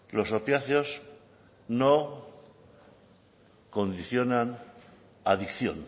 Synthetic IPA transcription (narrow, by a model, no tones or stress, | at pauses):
lo̞sopjaθjos | no | ko̞nd̪iθjo̞nan | aðikθjo̞̰n